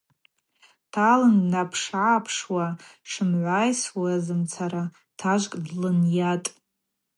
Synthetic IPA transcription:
tʰalɨnnapʰʂʕapʰʂwaʂɨmʕʷajswaazɨmt͡sʰaɾa | tʰaʒʷkʼdlɨnjatʼ

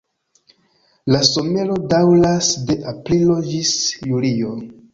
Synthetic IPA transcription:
laso̞me̞ɾo̞dawlasde̞ʔaplilo̞d͡ʒisjulio̞

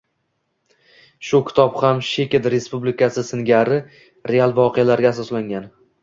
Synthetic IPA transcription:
ʃʊkʲʰɪ̥t̪ʰɒphamʃe̞kʲed̪ɾe̞spublɪkʲʰasɪsɪnɡʲaɾɪ | ɾe̞alˠvɒqʰejalaɾɡʲaːsɒslaŋɡʲan

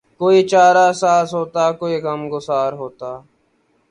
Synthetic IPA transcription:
koːiːt͡ʃaːɾaːsaːsɦoːt̪aːkoːiːkəmɡʊsaːɾɦoːt̪aː

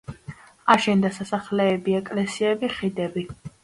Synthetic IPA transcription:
aʃɛnd̪asasaχlɛːbiɛkʼlɛsiɛbiχid̪ɛbi

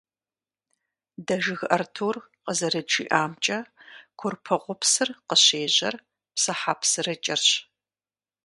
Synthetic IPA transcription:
dɐʒɨɣʔɐ̰rtʰuːr | qəzɐɾɨt͡ʃḭːʔaːmt͡ʃʼɐkʷʰʊrpʰɐʁʷʊpsɨrqəɕeːʑɐr | psɐħaːpʰsɨrɐt͡ʃʼɪrɕ

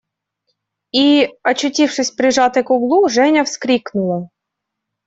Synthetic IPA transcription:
iɐt͡ɕʊtʲifʂɨsʲpɾʲɪʐɑt̪ɨkʊɡlˠuʐɛnʲəfskɾʲiknʊlˠə

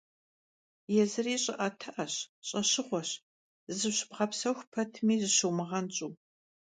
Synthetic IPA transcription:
jɛzɨriːɕʼɪʔɐtʰɨʔɐɕɕʼɐɕɪχʷɔɕ | zɨɕɪbʁɐpsɐwxʷpʰɐtʰmiːzɨɕuwmɨʁɐnt͡ʃʼuː

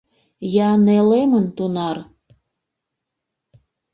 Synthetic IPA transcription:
jɑnelemənt̪unɑr

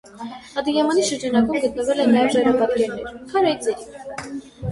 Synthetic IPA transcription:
ɑd̪ijɛmɑniʃəɾd͡ʒɑnɑkɔmɡət̪nəvɛlɛnːajɛvʒɑjɾɑpɑt̪kɛɾnɛɾkʰɑɾait͡sɛɾi

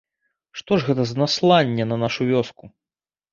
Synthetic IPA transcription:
ʂt̪ɔʐɣɛt̪ɐznaslˠanʲːɛnɐnaʂuvʲɔsku

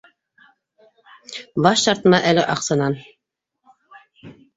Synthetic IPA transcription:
bɑʃt̪ɑɾt̪ɤ̆nɑʔælɘʔɑqsɤ̆nɑn

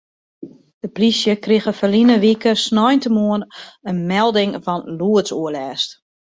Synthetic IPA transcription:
d̥əprisjəkrɪɣəfəlinəʋikəsnɔjntəmuənənmɛlˠdɪŋfɔnluətsuəlɛːst

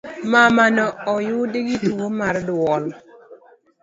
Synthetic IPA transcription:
mamanɔɔjʊdɪɡɪtuomardwɔl

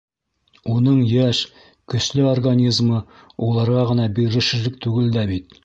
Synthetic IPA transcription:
unɤɴjæʃ | kɵ̆ʃlɘorɡanʲizmɤ | wulˠɑɾʁɑʁɤ̆nɑbiɾɘ̆ʃɘ̆lɘk̚t̪ʉɡɘld̪æbit̪

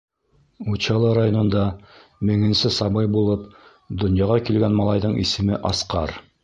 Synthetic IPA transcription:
ut͡ɕɑlˠɤɾajonŏnd̪ɑmɘ̆ŋɘ̆nsɘsɑbɤjbulˠɤp | d̪ŏnjɑʁɑkilɡænmɑlˠɑjðɤɴʔḭsɘ̆mɘʔɑsqɑɾ

